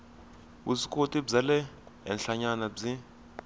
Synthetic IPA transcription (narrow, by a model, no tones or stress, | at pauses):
usikʰʼotʼib͡ʐalɛ | ɛ̰nɬaɲanab͡ʐi